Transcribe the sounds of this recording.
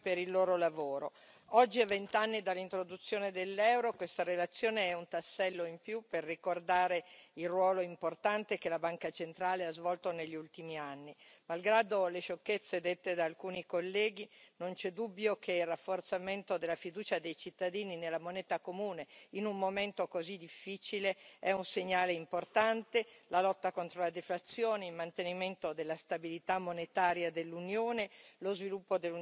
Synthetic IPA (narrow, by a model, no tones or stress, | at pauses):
peɾilːoːɾolavoːɾo | ɔd͡ʒːiavent̪anːid̪alːint̪ɾod̪ut̪sːjoːned̪elːɛwɾokwest̪aɾelat̪sːjoːneɛunt̪asːɛlːoimpjuperːikord̪aːɾeilrwɔːloimport̪ant̪ek̟elabaŋkat͡ʃent̪ɾaːleazvɔlt̪oneʎːiult̪imianːimalɡɾaːd̪oleʃokːet̪sːed̪et̪ːed̪aːlkuːnikolːɛːɡ̟inont͡ʃɛd̪ubːjokʰeilrafːort̪sament̪od̪elːafid̪uːt͡ʃad̪ejt͡ʃit̪ːad̪iːninelːamonɛːt̪akomuːneinumːoment̪okozid̪ifːit͡ʃileɛunseɲːaːleimport̪ant̪elalɔt̪ːakont̪ɾolad̪eflat̪sːjoːneilmant̪eniment̪od̪elːast̪abilit̪amːonet̪aːɾjad̪elːunjoːnelozvilupːod̪elːu